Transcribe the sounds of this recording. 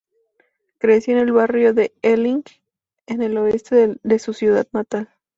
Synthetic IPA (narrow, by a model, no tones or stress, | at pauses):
kɾesjoene̞lβarjo̞ðe̞eliŋɡ | ene̞lo̞e̞st̪eðe̞susjuðaðnat̪al